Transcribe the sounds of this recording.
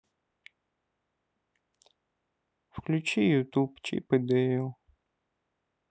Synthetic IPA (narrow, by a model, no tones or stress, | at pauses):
fklʲʊt͡ʃijʊt̪upt͡ʃḭpɨd̪ɛjʊ